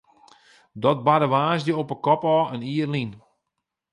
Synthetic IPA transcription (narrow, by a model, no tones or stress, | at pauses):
dɔt̚badəʋaːsdəopəkɔpɔːəniərlin